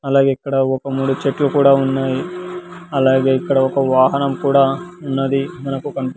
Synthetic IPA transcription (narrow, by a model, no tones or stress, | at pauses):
ɐlaːɡeːikːɐɽɐɔkɐmuːɽut͡ʃeʈlukuːɽaːunːaːji | ɐlaːɡe̞ːikːɐɽɐɔkɐʋaːɦɐnɐmkuːɽaːunːɐd̪imɐnɐkukɐɳpi